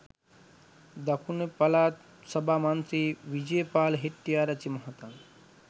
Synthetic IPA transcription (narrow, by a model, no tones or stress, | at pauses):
d̪ɐkʰunepɐlat̪ | sɐbʱamɐnt̪ɾiʋid͡ʒejpaːlɦiʈːijaɾɐt͡ʃimɐɦɐt̪an